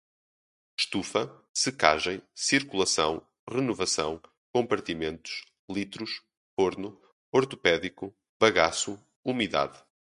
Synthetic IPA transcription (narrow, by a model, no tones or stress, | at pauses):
ʃt̪ufɐsɨka̰ʒɐ̃j̃siɾkulˠɐsɐ̰̃w̃ | ʁɨnuvɐsɐ̰̃w̃ | kõmpɐɾt̪imẽnt̪u̥ʃ | lˠit̪ɾuʃ | foɾnu | ɔɾt̪upɛðiku | βɐɣasu | umiða̰ð